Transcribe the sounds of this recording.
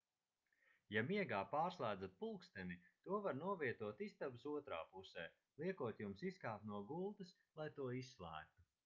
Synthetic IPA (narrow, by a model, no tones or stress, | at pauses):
jamiɛɡaːpaːɾslˠæːd̪zat̪̚pulˠkst̪ɛnit̪uɔvaɾnuɔviɛt̪uɔt̪ist̪absuɔt̪ɾa̰ːpusɛː | lˠiɛkuɔt̪jumsiskaːp̪nuɔɡulˠt̪ɨs | lˠajt̪uɔisːlˠæ̰ːk̚t̪u